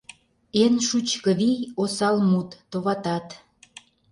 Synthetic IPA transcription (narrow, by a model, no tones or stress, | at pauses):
enʃut͡ɕkə̆βijosɑlmut̪ːoβɑt̪ɑt̪